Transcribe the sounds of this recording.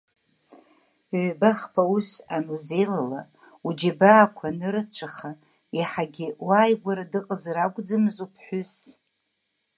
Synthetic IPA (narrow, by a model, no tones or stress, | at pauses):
ʕʷbaχpʰauʃanuzejlala | ud͡ʒabaːkʷʰanɨɾɨt͡ʃʷʰaχa | iħaɡʲɪwaːjɡʷaɾadɨqʼəzraɡʷʼd͡zamɨzupʰħʷʊs